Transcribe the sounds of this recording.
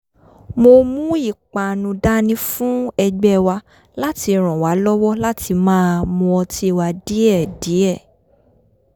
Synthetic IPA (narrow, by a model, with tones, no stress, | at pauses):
mo˧mũ˦i˦˨k͡pa˨nũ˧da˦nĩ˦fũ˦ɛ˧ɡ͡bɛ˦˧wa˧ | la˦ti˧ɾ̃ɔ̃˨wa˨˦lɔ˦wɔ˦la˦ti˧mãː˦a˧mɔ̃˧ɔ˧ti˦i˧wa˧di˨˦ɛ˦˨di˨˦ɛ˦˨